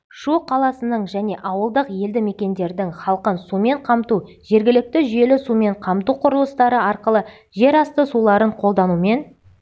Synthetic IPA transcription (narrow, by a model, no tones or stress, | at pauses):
ʃuqʰɑlˠɑsənəɴʒæne̞ʔɑwəlˠd̪əqje̞ld̪ɪmekʲe̞nd̪e̞ɾd̪ɪŋχɑlˠqənsume̞ɴqʰɑmt̪u | ʒ̥e̞ɾɡʲɪlɪk̚t̪ɪʒʏje̞lɪsume̞ɴqʰɑmt̪uqʰʊɾəlˠəst̪ɑɾəɑɾqəlˠə | ʒe̞ɾɑst̪əsulˠɑɾəɴqʰo̞lˠd̪ɑnume̞n